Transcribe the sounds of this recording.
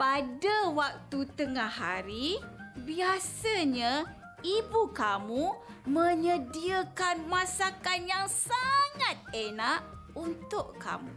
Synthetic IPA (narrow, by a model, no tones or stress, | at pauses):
padawak̚t̪ut̪əŋaha̰ɾibiasaɲa | ibukamu | mə̃ɲədiəkanmasakanjaŋsaŋat̪̚enaʔunt̪ʊʔka̰mṵ